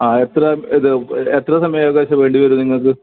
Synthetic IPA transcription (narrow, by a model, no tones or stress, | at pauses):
aːet̪rɐiðɨet̪rɐsɐmɐjaːɐɣaːɕɐʋe̞ːɳɖiʋɐɾuniŋːɐɭkɨ